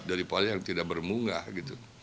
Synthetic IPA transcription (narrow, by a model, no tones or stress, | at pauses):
daɾipalijaŋt̪idak̚bərmuŋahɡit̪u